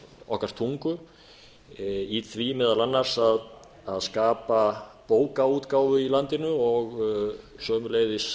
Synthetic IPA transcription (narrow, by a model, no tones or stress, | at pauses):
ɔ̰hkaɾ̥t̪ʰuŋkʏ | iθvimɛːðalanːaɾ̥sað | aðskaːpapoːwkauːt̪kaːwvʏilant̪ɪnʏɔɣ | sœːmʏleːjðɪs